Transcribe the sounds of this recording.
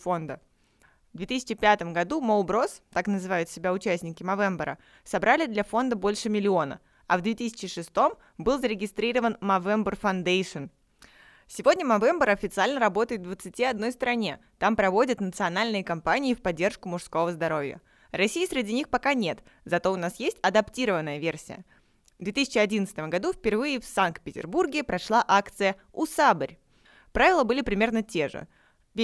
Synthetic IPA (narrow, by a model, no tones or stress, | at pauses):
fo̞nd̪ə | vd̪vʲet̪ɨsʲɪt͡ɕɪpʲat̪əmɡɐd̪umolˠbɾo̞st̪aknəzɨvajʊt̪sʲɪbʲaʊt͡ɕæsʲnʲɪkʲɪmɐvɛmbəɾə̰ | sɐbɾalʲɪd̪lʲɐfo̞nd̪əbo̞lʲʂɨmʲɪlʲɪo̞nə̰ | ɐ̰vd̪vʲet̪ɨsʲɪ̥t͡ɕɪʂɨst̪o̞m | bɨlˠzəɾʲɪɡʲɪst̪ɾʲiɾəvənmɐvɛmbərfɐnd̪ejʂɨn | sʲɪvodʲnʲəmɐvɛmbəɾɐfʲɪt̪sɨalʲnəɾɐbo̞t̪əɪt̪̚d̪vət̪sɨtʲiɐd̪no̞jst̪ɾɐnʲe̞t̪ampɾɐvo̞dʲət̪nət̪sɨɐnalʲnɨjəkɐmpanʲɪːfpɐdʲːerʂkʊmʊʂsko̞vəzd̪ɐɾo̞vʲjə̰ | rɐsʲijəsɾʲɪdʲinʲixpɐkanʲe̞t̪ | zɐt̪o̞ʊnasjesʲtʲɐd̪ɐptʲiɾəvənːəjəvʲe̞rsʲɪjə̰ | vd̪vʲet̪isʲt͡ɕɪɐdʲinət̪sɨt̪əmɡɐd̪ufʲpʲɪrvɨjəfsank̚t̪̚pʲɪtʲɪ̰rburɡʲɪpɾɐʂlˠaʔakt̪sɨjə | ʊsabəɾʲ | pɾavʲɪlˠəbɨlʲɪpɾʲɪmʲe̞rnətʲe̞ʐɨ̰ | vʲ